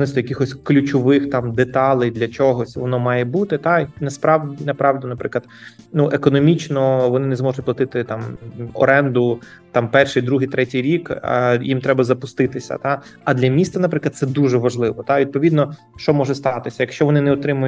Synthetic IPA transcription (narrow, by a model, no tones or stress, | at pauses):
nɪst̪ɔjɐkɪxɔsʲklʲʊt͡ʃɔʋɪxt̪ɑmd̪et̪ɑlˠɪjd̪lʲɐt͡ʃɔɦɔsʲʋɔnɔmɑjɛbut̪ɪt̪ɑnɐspɾɑʋdʲinɐpɾɑʋdʲinɐpɾɪklˠɐd̪ | nuʔekɔnɔmʲit͡ʃnɔʋɔnɪnɛzmɔʒʊtʲplˠɐt̪ɪt̪ɪt̪ɑmɔ̰ɾɛnd̪ʊ | t̪ɑmpɛrʃɪjd̪ɾuɦɪjt̪ɾɛtʲijɾʲikjimt̪ɾɛbɐzɐpʊst̪ɪt̪ɪsʲɐ̰t̪ɑɐd̪lʲɐmʲist̪ɐnɐpɾɪklˠɐd̪sɛd̪uʒɛʋɐʒlˠɪʋɔt̪ɑʋʲid̪̚pɔʋʲid̪nɔ | ʃt͡ʃɔmɔʒɛst̪ɑt̪ɪsʲɐjɐkʃt͡ʃɔʋɔnɪnɛɔt̪ɾɪmʊjʊ